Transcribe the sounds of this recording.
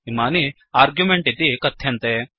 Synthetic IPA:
imaːni | aːɾɡjumeɳʈit̪ikɐt̪ʰːjɐnt̪e

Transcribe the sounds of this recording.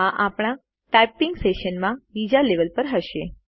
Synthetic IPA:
ãʔapɽ̃ã | ʈapiŋɡseʃənmãbid͡ʒaleʋəlpəɾɦəʃe

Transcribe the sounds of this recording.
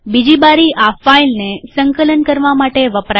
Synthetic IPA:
bid͡ʑibaɾiafailnesəŋkələnkəɾʋamaʈeʋəpɾa

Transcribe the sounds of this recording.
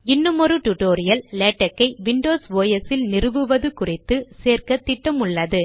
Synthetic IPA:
ɪnːɯmɔrɯʈʊʈoːɾɪjɐlleːʈːɐkːɐɪʋɪɳɖoːsʋoːjɐsɪlnɪrɯʋɯʋɐðɯkʊrɪt̪ːɯseːrkɐt̪ːɪʈːɐmʊɭːɐðɯ

